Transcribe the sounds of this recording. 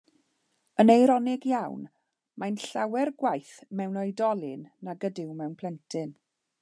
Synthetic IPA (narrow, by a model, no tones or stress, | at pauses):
ənejɾɔnɪɡjawn | majnɬawɛrɡwajθmɛwnɔjdɔlˠɪnːaɡədɪwmɛwnpʰl̥ˠɛntʰɨn